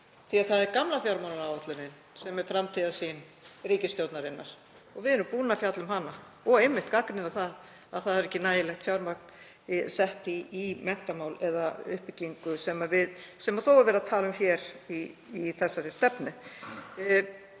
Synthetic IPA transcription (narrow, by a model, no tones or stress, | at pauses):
θiaðθaðɛɾkamlafjawɾmanaɾawɔt̪lʏnɪn | sɛmɛɾ̥fɾamt̪ʰiðasin | ɾiːcɪst̪jowt̪naɾɪnːaɾ̥ | ɔɣvɪðɛnːʏpuːnafjat̪lʏmɦana | ɔɣejmːɪht̪kakɾɪnaθað | aðθaðɛɾɛhcːɪnaːjɪlɛxt̪fjawɾmak̚n̥ | sɛht̪ɪimɛn̥t̪amaːwlɛðaʏ̰hpɪciŋkʏsɛmavɪðsɛmaθowɛɾvɛɾaðt̪ʰaːlʏmçɛɾiːθɛsːaɾɪst̪ɛpnɪ